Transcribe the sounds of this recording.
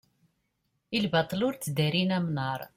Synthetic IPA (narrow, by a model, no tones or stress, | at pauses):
ilbɑt̪ˤlʊɾt͡sːd̪iɾinæmnəɾˤ